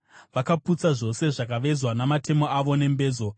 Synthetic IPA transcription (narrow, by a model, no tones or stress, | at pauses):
ʋakaput͡saʐo̞se̞ʐakaʋe̞zwanamate̞mo̞aʋo̞ne̞mbe̞ːzo̞